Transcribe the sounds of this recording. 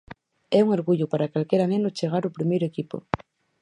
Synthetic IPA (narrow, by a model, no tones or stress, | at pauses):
ɛuŋoɾɣuʎʊpaɾakalkeɾanẽnot͡ʃeɣ̞aɾopɾimejɾoekipo̰